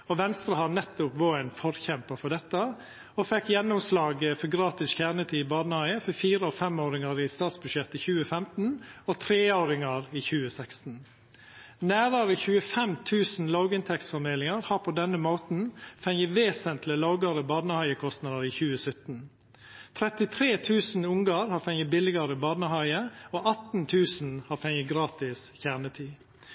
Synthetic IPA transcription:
ɔʋɛnst̪ɾəhɑnɛt̪ːʊpʋoːæɪnfɔɾçɛmpəfɔɖɛt̪ːə | ɔfɛkːjɛnːʊmslɑːɡəfɔɡɾɑːt̪ɪsçæːɾɳət̪ʰiːbɑːd̪nəhɑɪəfɔfiːɾəɔfɛmoːɾɪŋɑɾɪst̪ɑːt̪sbʉd̪ʃjɛt̪ːɪçʉːəfɛmt̪n̩ɔt̪ʰɾeːoːɾɪŋɑɾiːçʉːəsɛkst̪n̩ | næːɾɑɾəçʉːəfɛmt̪ʰʉːsn̩lɑʊɡɪnt̪ʰɛksfɔɾmeːlɪŋɑɾhɑːɾpʰod̪ɛnːəmoːt̪n̩fɛŋjəʋeːsənt̪ʰlɪlɑʊɡɑɾəbɑːd̪nəhɑɪəkʰɔst̪nɑːd̪əɾiːçʉːəsœt̪n̩ | t̪ʰɾɛt̪ɪt̪ʰɾeːt̪ʰʉːsn̩ʊŋɡɑɾhɑːfɛŋəbɪlɪɡɑɾəbɑːd̪nəhɑɪəoːʔɑt̪n̩t̪ʰʉːsn̩hɑːfɛŋəɡɾɑːt̪ɪsçæʁɳət̪ʰiː

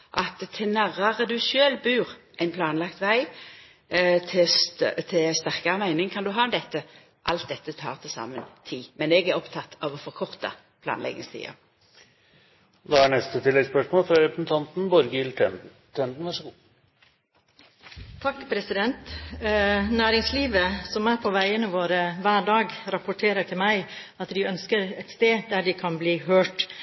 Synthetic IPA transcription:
ʔɑt̪t̪ʰɪnæʁɑʁəd̪ʉʃøːlbʉːʁʔæɪnpʰlɑːnlɑkt̪ʋæɪ | t̪ʰɪt̪ʰɪst̪æʁkɑʁəmæɪnɪŋkʰɑnd̪ʉɦɑːmd̪ɛt̪ːə | ʔɑ̰lt̪̚d̪ɛt̪ːət̪ʰɑ̰ːʁt̪ʰɪsɑ̰ːmənt̪ʰiːmɛnɛɡæʁɔpt̪ʰɑt̪ːɑʋɔfɔʁkʰɔʁt̪ɑ̰ | pʰlɑ̰ːnlɛ̰ɡɪ̰ŋst̪ʰḭːɑ̰ | d̪ɑæɳɛst̪ət̪ʰɪlːɛɡspœʂmoːlfɾɑɾɛpɾəsn̩t̪ʰɑnt̪n̩bɔɾɡəɪltʰɛn | t̪ʰɛnd̪n̩ʋæʂɡ | t̪ʰɑkːpʰɾɛsɪd̪ɛnt̪ | næːɾɪŋsliːʋəsɔmæːɾpʰɔʋæɪənəʋoːɾəʋæːɾɖɑːɡɾɑpʊʈʰeːɾət̪ʰɪlmæɪ | ɑt̪d̪ɪœnskəɾɛt̪st̪eːd̪æɖɪkʰɑnbliːɦøːʈ

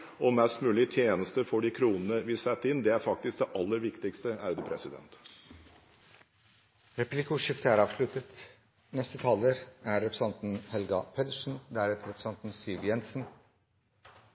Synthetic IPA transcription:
ɔmɛst̪mʉːlɪt̪ʰjeːnəst̪əfɔɖɪkʰɾuːnən̩əʋɪsɛt̪ːəɪnd̪ɛæɾfɑkt̪ɪsk̚d̪ɛʔɑlːəɾʋɪkt̪ɪkst̪əæɾd̪ɛpʰɾɛsɪd̪ɛ̰nt̪ | ɾɛplɪkʊʂɪft̪əæɾɑːʋslʉt̪ət̪ | nɛst̪ət̪ʰɑːləɾæɾɛpɾəsɑnt̪n̩hɛlɡɑpʰɛt̪əʂn̩d̪æːɾɛt̪ɾɛpʰɾə̥sɑnt̪n̩siːʋjɛnsn̩

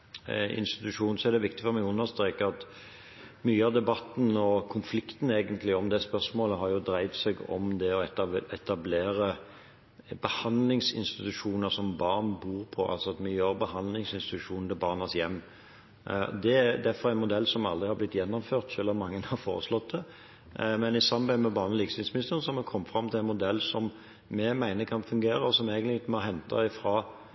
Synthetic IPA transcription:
ɪ̰nst̪ɪ̥t̪ʉʂuːnn̩sɔæɾd̪ɛʋɪk̚t̪ɪfɔɾmɛɡʉnːəɾst̪ɾeːkəɑt̪ | myːəɑʋd̪ɛbɑt̪ːn̩ɔkʰʊnflɪkt̪n̩eːɡənt̪lɪɔmd̪ɛspœʁsmoːləɦɑɾjʊd̪ɾæɪt̪sɛɡɔ̰md̪ɛɔɛt̪ɛt̪ɑbleːɾə | bəhɑnd̪lɪŋsɪ̰nst̪ɪt̪ʉʂuːnəɾsɔmbɑːʁnbuːɾpʰɔʔɑ̰lsɔɑt̪myːɑʋbəhɑnd̪lɪŋsɪnst̪ɪt̪ʉʃʂuːnnd̪ɪbɑːʁnɑsjɛmː | d̪ɛæd̪æfɔɾæɪnmʊd̪ɛlːsɔmɑld̪ʁɪhɑɾblɪt̪ːjɛnːɔmføːʁt̪ʃøːlɔmmɑŋːənhɑʁfo̰ːɾə̰slɔt̪̚d̪ɛ | mɛnɪsɑmbæɪəmɛbɑːʁnəliːkəsɪnsmɪnɪst̪əʁnəsɔhɑɾmɛkʰɔmːəfʁɑmt̪ʰɪlæɪnmʊd̪ɛlːsɔm | mɛmæɪnəkʰɑnfʉŋɡeːɾəɔsɔmeːɡənɪɡɪt̪mɑɦɛnt̪ʰɑ̰ɪfɾɑː

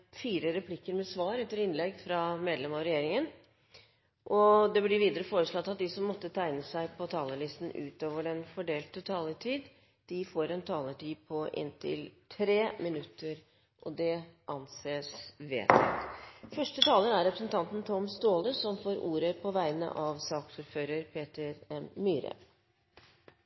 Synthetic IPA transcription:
fiːɾəɾɛpʰlɪkːəɾmɛsʋɑːɾɛt̪ːəɾɪnlɛɡfɾɑmeːd̪lɛmɑʋɾɛjeːɾɪŋən | ʔɔd̪ɛblɪʋiːd̪əɾəfoːɾəslɔt̪ːɑt̪̚d̪ɪsɔmːɔt̪ːət̪ʰæɪnəsæɪpʰɔt̪ʰɑːləɭɪst̪n̩ʉ̰ːt̪oːʋəɖɛnfɔɖeːlt̪ət̪ʰɑːləʈʰiːd̪ | d̪̥ɪfoːɾɛnt̪ʰɑːləʈʰiːpʰɔʔɪ̰nt̪ʰɪ̰lt̪ʰɾeːmɪnʉt̪ːəɾ | ʔɔd̪ɛʔɑnseːsʋḛːt̪fœʂʈət̪ʰɑːlənæɾɛpɾəsnt̪ʰɑnt̪nt̪ʰɔmst̪oːləsɔmfoːɾʔuːɾəpʰɔʋæɪnə̰ʔɑʋsɑːksuːɾføːɾəɾpʰeːt̪əɾɛmːyːɾə̰

